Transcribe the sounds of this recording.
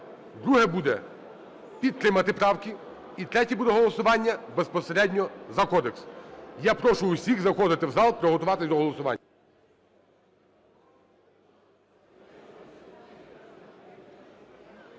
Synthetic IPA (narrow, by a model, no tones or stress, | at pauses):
d̪ɾuɦɛbud̪ɛ | pʲid̪̚t̪ɾɪmɐt̪ɪpɾɑwkʲi | it̪ɾɛtʲibud̪ɛɦɔlˠɔsʊʋɑnʲːɐbespɔseɾɛdʲnʲɔzɐkɔd̪eksjapɾɔʃʊːsʲiɣzɐxɔd̪ɪt̪ɪwzɑlˠpɾɔɦɔt̪ʊʋɑt̪ɪsʲd̪ɔɦɔlˠɔsʊʋɑ̰nʲːɐ